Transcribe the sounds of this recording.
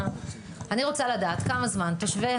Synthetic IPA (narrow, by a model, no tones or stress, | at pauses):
aniʁo̞t͡saladaːt̪kamazmant̪oʃve